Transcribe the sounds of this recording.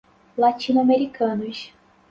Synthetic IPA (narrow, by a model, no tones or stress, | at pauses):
lat͡ʃĩnuameɾikɐ̃nʊs